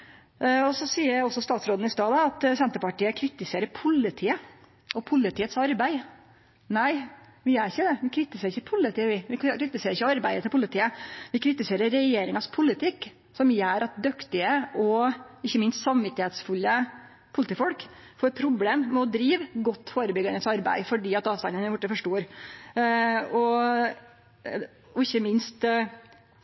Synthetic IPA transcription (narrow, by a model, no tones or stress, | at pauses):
ɔsɔsiːəɾæɔsːɔst̪ɑːt̪sɾoːd̪n̩ɪst̪ɑːd̪ɑɑt̪sɛnt̪əɾpɑʈiːəkʰɾɪt̪ɪseːɾəpʰʊlːɪt̪ʰiːə | ʔɔpʰʊlːɪt̪ʰiːət̪sɑɾbæɪ | næɪ | ʋɪæɾɪçːəd̪ɛʋɪkʰɾɪt̪ɪseːɾɪçəpʰʊlːɪt̪ʰiːəʋɪʋɪɾɪt̪ɪseːɾɪçəɑɾbæɪət̪ɪlpʊlɪt̪ʰiːəʋɪkʰɾɪt̪ɪseːɾəːɛjeːɾɪŋɑspʰʊlɪt̪ʰɪkː | sɔmjæːɾɑt̪̚d̪œkt̪ɪəʔɔɪçːəmɪnst̪sɑmʋɪt̪ːɪheːt̪sfʉlːə | pʰʊlɪt̪iːfɔlkfoːɾɛt̪̚pʰɾʊbleːmːɛɔd̪ɾiːʋɡɔt̪ːfoːɾəbʏɡənəsɑɾbæ̰ɪfɔɖiːɑt̪ɑːʋst̪ɑnənɛʋʊʈːəfɔʂʈuːɾ | ɔ | ɔɪçːəmɪnst̪